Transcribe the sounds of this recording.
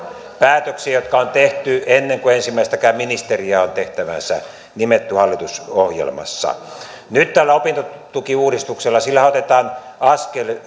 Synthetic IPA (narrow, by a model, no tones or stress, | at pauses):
pæːt̪øksiæjot̪kɑont̪eht̪yenːeŋkuensimːˑæˑist̪ækæːminist̪eriæont̪eht̪æʋæ̰nsæ̰ | nimet̪ːyhɑlːit̪usohjḛlmɑ̰sːɑ̰ | nyt̪t̪ælːæopint̪ot̪ukiuːdist̪ukselːɑsilːæhæot̪et̪ɑːnɑskel